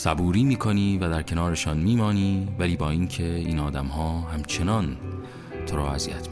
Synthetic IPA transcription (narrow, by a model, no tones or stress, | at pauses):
sæbuːɾiːmiːkʰo̞niːvæd̪æɾcʰe̞nɒːɾe̞ʃɒːnmiːmɒːniːvæliːbɒːiːncʰe̞iːnɒːd̪æmhɒːhæmt͡ʃʰe̞nɒːn | t̪ʰoɾɔ̰ːæziːæt̪ʰi